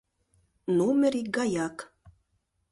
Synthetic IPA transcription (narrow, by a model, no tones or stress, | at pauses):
numeɾiɡajak